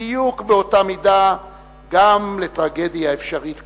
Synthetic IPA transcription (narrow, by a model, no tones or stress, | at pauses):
ijukbeo̞tamida | ɡamle̞tʁaɡe̞djaefʃaʁitk